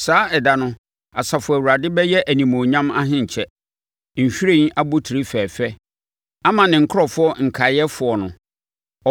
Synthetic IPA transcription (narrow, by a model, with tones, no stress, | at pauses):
saː˦ɛ˨da˨nʊ̃˦ | a˨sa˨fʊ˨æ˨wu˨ɾa˨dɪ˦bɛ˦jɛ˦ʔæ˨nĩ˨mõ˨ɲã˦ma˦ɦɪ̃˦ɲ̩˨t͡ɕʰɛ˦ | ɲ̩˨ɕᶣi˦ɾe˦a˦bʊ˦tʰi˨ɾi˦fɛː˨fɛ˦ | a˦mã˨nɪ̃˨ŋ̩˨kʰʊ˦ɔ˨fʊ˦ɔ˦ŋ̩˨kʰa˨jɛ˦fʊ˨ɔ˨nʊ̃˨ | ɔ˨